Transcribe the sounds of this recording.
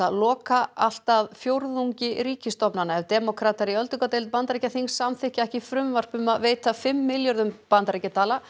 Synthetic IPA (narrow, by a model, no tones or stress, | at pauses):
aðlɔːkaal̥t̪aðfjowɾðuɲcɪɾiːcɪst̪ɔpnanːaɛvt̪ɛːmɔkʰɾat̪aɾiœlt̪ʏkat̪ejlt̪̚pant̪ɾejcaθiŋsːamθɪhcɪɛhcɪfɾʏmvar̥pʏmaðveːjt̪afɪmːɪljɔɾðʏmpant̪ɾajcat̪ʰaːla